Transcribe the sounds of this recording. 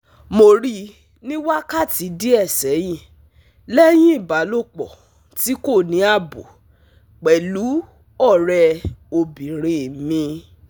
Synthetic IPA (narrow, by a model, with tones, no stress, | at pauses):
mo˧˨ɾi˧˦ | nĩ˦wa˦ka˦˨ti˨˦di˦ɛ˦˨sɛ˨˦j̃ĩ˦˨ | lɛ˦j̃ĩ˦i˦˨ba˨˦lo˦˨k͡pɔ̰˨ | ti˨˦ko˦˨nĩ˨˦a˦˨bo˨ | k͡pɛ˨lu˨˦ | ɔ˦˨ɾɛ˧o˧bĩ˨ɾ̃ẽ˨mĩ˧